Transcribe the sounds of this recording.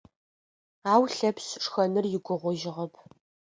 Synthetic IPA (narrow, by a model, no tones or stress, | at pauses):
aːwɬɐpsʂxɐnɨrjɪɡʷʊʁʷɔʒɪʁɐpʰ